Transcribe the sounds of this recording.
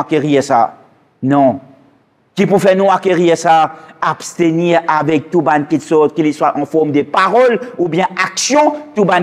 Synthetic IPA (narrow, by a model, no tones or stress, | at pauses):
akʲeʁisa̰ | nɔ̃ | kipufɛnũakʲeʁiʁsaabst̪eniːʁavɛk̚t̪ubankitsɔt̪kiliswaʔɑ̃fɔʁmd̪əpaʁɔlubjɛ̃aksjɔ̃t̪uban